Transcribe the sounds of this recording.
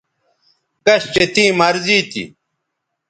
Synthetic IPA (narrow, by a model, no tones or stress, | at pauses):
kɐɕt͡ɕet̪ĩːmɐɾziːt̪ḭ